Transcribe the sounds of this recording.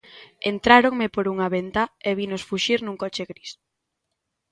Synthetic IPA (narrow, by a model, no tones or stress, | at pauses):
ent̪ɾaɾoŋmepoɾuŋaβent̪aeβinosfuʃiɾnũŋkɔt͡ʃeɣɾis